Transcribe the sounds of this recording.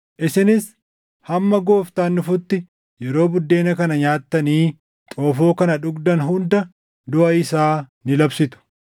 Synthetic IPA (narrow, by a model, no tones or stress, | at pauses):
ʔɪsɪnɪs | hɐmːɐɡo̞ːft̪aːnːʊfʊt̪ːɪ | jɛɾo̞ːbʊd̪ːe̞ːnɐkɐnɐɲaːt̪ːɐniː | t̪ʼoːfo̞ːkɐnɐᶑʊɡd̪ɐnɦʊnd̪ɐ | d̪ʊʔɐɪsaːnɪlɐbsɪt̪ʊ̥